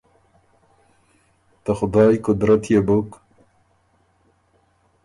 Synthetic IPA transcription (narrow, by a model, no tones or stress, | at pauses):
t̪axʊd̪ɑːjkʊd̪ɾat̪jebok